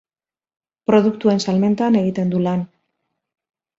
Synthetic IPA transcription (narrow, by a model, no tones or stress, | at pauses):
pɾo̞ðukt̪ue̞nsalme̞nt̪ane̞ɣ̞it̪e̞nd̪ulan